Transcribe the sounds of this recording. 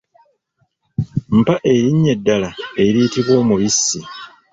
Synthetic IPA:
m̩paʔe̞ɾiɲːe̞dːalae̞ɾiːtiβwo̞ːmuβisːi

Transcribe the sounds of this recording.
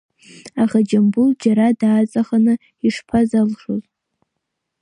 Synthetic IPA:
aχad͡ʒambuld͡ʒaɾadaːt͡sʼaχanɨ | iʂpʰazalʂoz

